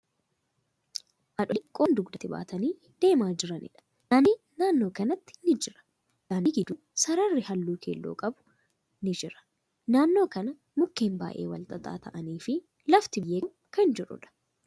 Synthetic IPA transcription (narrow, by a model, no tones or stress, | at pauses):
ʔɐᶑɔkʼːoːnd̪ʊɡd̪ɐt̪ɪba̰ːt̪ɐniː | d̪̥e̞ːmaːd͡ʒɪɾɐnɪ̰ᶑɐ̥ | ʔɐnɪ | naːnːo̞ːkɐnɐt̪ːɪ̥nɪd͡ʒɪɾɐ̥ | jaːnɪɡɪd̪ʊ | sɐɾɐrːɪhɐlːuːkʰeːlːo̰ːkʼɐbʊ̥ | nɪd͡ʒɪɾɐ̥ | naːnːo̞ːkɐnɐ | mʊkːeːmba̰ːʔḛːwɐ̰lt̪ʼɐt̪ʼa̰ːt̪ɐ̰ʔɐniːfɪ | lɐft̪ɪjeː | kɐnd͡ʒɛᶑʊ̰ᶑɐ̥